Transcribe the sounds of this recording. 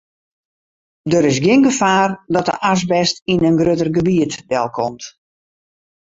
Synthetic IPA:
dəɾɪs̬ɡɪnɡəfaːrdɔtə̰ʔas̬bɛstinənɡrøtərɡəbiətdɛlˠkʰɔmt

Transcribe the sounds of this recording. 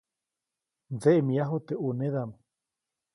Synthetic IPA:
nd͡zeʔmĩaɦot̪eʔunẽðam

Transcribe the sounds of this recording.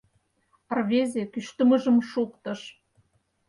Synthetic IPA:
ərβʲezʲekyʃt̪ə̆mə̆ʒə̆mʃukt̪ə̆ʃ

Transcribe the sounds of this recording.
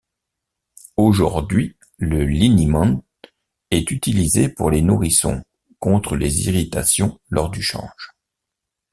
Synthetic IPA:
oʒuʁd̪ɥi | ləlinimɑ̃n | ɛt̪yt̪ilizepuʁlenuʁisɔ̰̃ | kɔ̃t̪χəlezḭʁit̪asjɔ̃lɔʁd̪yʃɑ̰̃ʒ̥

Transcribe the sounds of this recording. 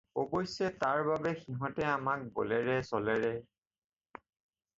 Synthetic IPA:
obojsɛtaɹbabɛxiɦɔ̃tɛamak̚bɔlɛɹɛsɔlɛɹɛ

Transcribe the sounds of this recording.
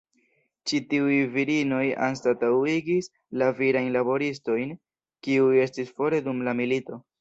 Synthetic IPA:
t͡ʃitiujviɾino̞ja̰ns̬tatawiɡis | laviɾajnlabo̞ɾis̬to̞jn | kiuje̞stisfo̞ɾe̞dumlamilito̞

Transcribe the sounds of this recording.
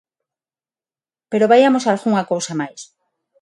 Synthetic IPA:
pe̞ɾo̞βajamo̞salɣuŋakowsamajs

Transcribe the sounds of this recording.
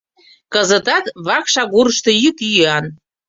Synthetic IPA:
kəzə̆t̪ɑt̪βɑkʃɑɣuɾəʃt̪ɤ̆jyk̪yɑn

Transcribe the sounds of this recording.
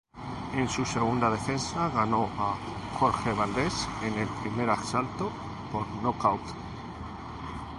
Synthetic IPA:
ensuse̞ɣ̞und̪að̞e̞fe̞nsaɣano̞a | xo̞ɾxeβ̞ald̪esenelpɾimeɾaksalt̪o | poɾnokawk

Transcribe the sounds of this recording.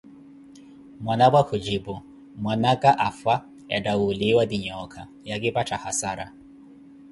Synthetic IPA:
mwanabwakʰud͡ʒibu | mwanakʼaʔafa | ja̰dawuliwad̪iɲɔkʰa | jakipatʰahasaɾa̰

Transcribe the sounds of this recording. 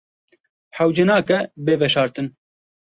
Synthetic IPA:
ħawd͡ʒɛnɑːkɛbeːvɛʃɑːɾt̪ɨn

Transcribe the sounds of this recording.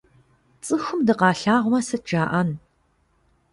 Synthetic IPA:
t͡sʼɨxʷʊmdɨqɑːɬaːʁʷʊmɐsɨt̚d͡ʒaːʔɐn

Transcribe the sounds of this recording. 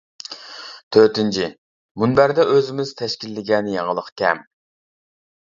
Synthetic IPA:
t̪ʰøt̪ɪnt͡ʃʰi | munbæɾd̪ɛʔøzɪmɪz̥t̪ʰɛʃkʲilːɪɡʲɛnɪjɑʁəlˠəqkʲʰɛ̰m

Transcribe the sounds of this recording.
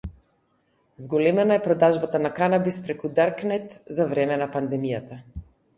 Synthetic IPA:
zɡɔlɛmɛnaɛpɾɔd̪aʒbat̪anakanabispɾɛkud̪aɾknɛt̪zavɾɛmɛnapand̪ɛmijat̪a

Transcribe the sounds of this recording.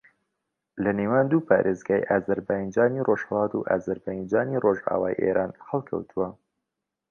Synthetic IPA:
lɐneːwaːnd̪uːpʰaːɾʔeːzɡaːjʔaːzɐɾbaːjnd͡ʒaːnirʔoʒhɐlˠɑːt̪ṵʔa̰ːzɐɾbajnd͡ʒaːniroʒa̰ːwaːjʔḛːɾʔaːnhɐlˠkʰɐ̰wt̪ʰuwɐ

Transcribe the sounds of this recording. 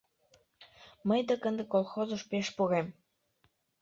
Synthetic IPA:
məjd̪əkənd̪ekolˠxozuʃpeʃpuɣem

